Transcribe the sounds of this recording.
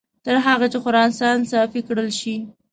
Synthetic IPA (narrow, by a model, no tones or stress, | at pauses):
t̪əɾɦɑɣat͡ʃɪxʊɾɑnsɑnsɑfikɽəlʃi